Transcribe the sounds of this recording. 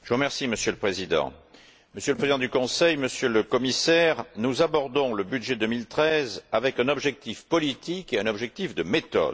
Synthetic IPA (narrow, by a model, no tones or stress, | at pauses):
ʒəvuʁəmɛʁsiməsjøləpχezid̪ɑ̰̃ | məsjøləpχezid̪ɑ̃d̪ykɔ̃sɛjməsjøləkɔmisɛʁnuzabɔʁd̪ɔ̃ləbyd̪ʒed̪əmilt̪χɛzavɛkɛ̃nɔbʒɛk̚t̪ifpɔlit̪ikeɛ̃nɔbʒɛk̚t̪ifd̪əmet̪ɔ̰d̪